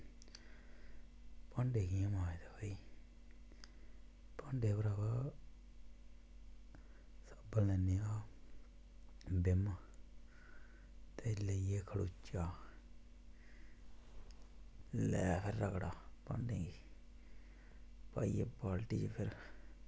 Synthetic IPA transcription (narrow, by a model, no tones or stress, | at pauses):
pəɳɖeːɡiãmaːet̪apəiː | pəɳɖeːpəɾaːkaː | səbəlnɛːneːaː | bɪm | t̪eːleieːkʰəɽuːt͡ʃːaː | lɛːpʰɪɾːəkɽaːpə̰ɳɖeːŋɡiː | paːḭːepaːlʈḭːt͡ʃpʰɪɾ